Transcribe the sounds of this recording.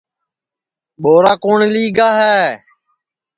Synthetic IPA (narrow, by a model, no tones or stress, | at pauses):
ɓoːɾaːkoːɳliːɡaːɦɛː